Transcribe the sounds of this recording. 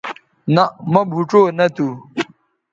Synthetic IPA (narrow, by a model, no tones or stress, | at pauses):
nɐmɐbʱuʈ͡ʂoːnɐt̪u